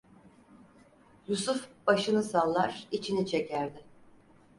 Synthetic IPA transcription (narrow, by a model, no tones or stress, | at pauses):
jusufb̥aʃɯnɯsalˠːaɾit͡ʃʰinit͡ʃʰe̞cæɾd̪ɪ